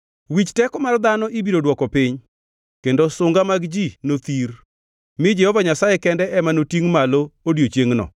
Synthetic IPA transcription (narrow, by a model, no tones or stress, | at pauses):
wit͡ʃtɛkɔmard̪anɔʔibiɾodwɔkɔpɪɲ | kendosʊŋɡamaɡd͡ʒinot̪ir | mɪd͡ʒɛhɔvaɲasajɛkɛndɛʔɛmanotiŋmaloodjot͡ʃjeŋnɔ̰